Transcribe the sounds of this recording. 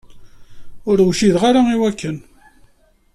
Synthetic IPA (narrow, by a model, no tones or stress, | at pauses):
ʊɾwʃiðʁaɾaiwækːən